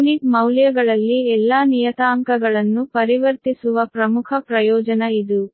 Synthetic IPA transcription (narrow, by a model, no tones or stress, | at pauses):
nikmɐwljɐɡɐɭɐlːiɛlːaːnijɐt̪aːŋkɐɡɐɭɐnːupɐɾiʋɐɾt̪isuʋɐpɾɐmukʰɐpɾɐjɔːd͡ʒɐnɐid̪u